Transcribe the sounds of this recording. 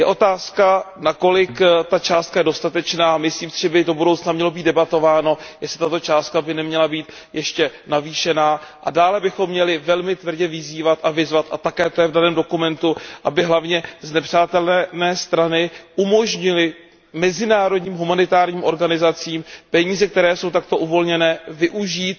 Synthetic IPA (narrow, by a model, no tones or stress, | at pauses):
jɛʔo̞t̪aːskanako̞lɪkt̪at͡ʃaːst̪̚kajɛdo̞st̪at̪ɛt͡ʃnaːmɪsliːmsɪʒɛbɪdo̞budowt͡snamɲɛlo̞biːd̪̚dɛbat̪o̞vaːno̞jɛslɪt̪at̪o̞t͡ʃaːst̪̚kabɪnɛmɲɛlabiːt̪ | jɛʃcɛnaviːʃɛnaːʔadaːlɛbɪxo̞mːɲɛlɪvɛlmɪt̪vr̩ɟɛvɪziːvat̪ʔavɪzvat̪ʔa̰t̪akɛːt̪ojɛvdanɛːmdo̞kumɛnt̪uʔabɪɦlavɲɛznɛpr̝̥aːt̪ɛlnɛnɛːst̪ɾanɪʔumo̞ʒɲɪlɪ | mɛzɪnaːɾodɲiːmɦumanɪt̪aːɾɲiːmʔo̞ɾɡanɪzat͡siːmpɛɲiːzɛk̚t̪ɛɾɛːso̞wt̪ak̚t̪o̞ʔuvo̞lɲɛnɛːvɪʔuʒiːt̪